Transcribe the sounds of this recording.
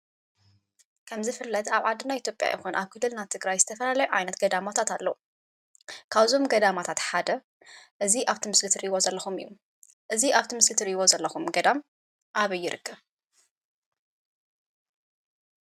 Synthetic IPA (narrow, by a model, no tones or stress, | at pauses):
kʰɐmzɨfɨlːɐt̪aβʕad̪ːinajit̪jo̞pʼja̰jɪxunʔaβkʰɨlːɨlnat̪ʰɨɡɾajzɨt̪ʰɐfɐlalɐjuʕajnɐt̪ɡɐd̪amat̪ʰat̪alːɐwu | kʰaβzo̞mɡɐd̪amat̪ʰat̪ħad̪ɐ | ʔɨziʔaβt̪ʰimɨslɨt̪ʰɨɾiβo̞zɐlːɐxumɨjːṵ | ʔɨziʔaβt̪ʰimɨslɨt̪ʰɨɾiβo̞zɐlːɐxumɡɐd̪am | ʔaβɐjːɪɾʔɨkʰːɐβ